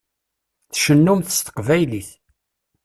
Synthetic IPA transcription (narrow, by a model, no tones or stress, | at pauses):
θʃənːumθə̥st̪ə̥qvæjliθ